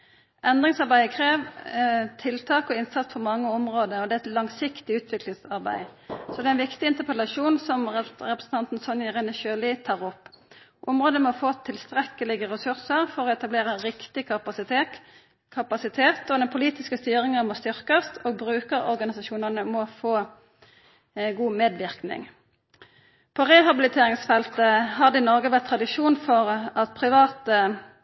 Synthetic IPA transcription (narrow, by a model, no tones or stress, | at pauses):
ʔɛnd̪ʁɪŋsɑʁbæɪəkʰʁeːʋ | t̪ʰɪlt̪ʰɑːkɔɪnsɑt̪sfɔʁmɑŋːəɔmʁoːd̪əɔd̪ɛɛt̪lɑŋsɪkt̪ɪʉːt̪ʰʋɪklɪŋsɑʁbæ̰ɪsɔd̪ɛænʋɪkt̪ɪɪnt̪əpʰɛlɑʃuːnsɔmʁɛpʁəsn̩t̪ʰɑnt̪n̩sɔnjəʁɛnəʃøːlɪt̪ʰɑːʁɔpː | ʔʊ̰mʁoːd̪əmɔfoːt̪ʰɪlst̪ʁɛkəlɪɡəʁɛsʉʁsəʁfɔʁɔɛt̪ɑbleːʁəʁɪkt̪ɪkʰɑpɑsɪt̪e | kʰɑpɑsɪt̪ʰeːt̪ɔd̪ɛnpʰʊliːt̪ɪskəst̪yːʁɪŋənmɔst̪ʏʁkəst̪ʰoːɡ̚bʁʉːkəʁɔ̰ʁɡɑnɪsɑʃuːnəʁnəmɔfoː | ɡuːmeːd̪ʋɪʁknɪ̰ŋ | pʰɔʁɛɦɑbɪlɪt̪ʰeːɾɪŋsfɛlt̪əɦɑd̪ɪnɔʁɡəʋæʁt̪ʰːʁɑd̪ɪʃuːnfɔʁɑt̪̚pʰʁɪʋɑːt̪ə